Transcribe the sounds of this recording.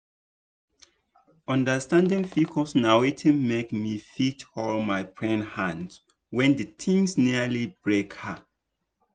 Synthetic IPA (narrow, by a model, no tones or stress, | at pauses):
ɔ̃ndəstãndĩŋfikʰɔsnawetʰĩnmekmifitɔlmaɪpʰɹɛ̃nhãns | wɛ̃ndətʰĩŋsniəlibɹekhə